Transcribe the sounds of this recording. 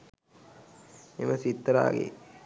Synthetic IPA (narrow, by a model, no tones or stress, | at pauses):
eməsit̪ːəɾa̰ːɡḛ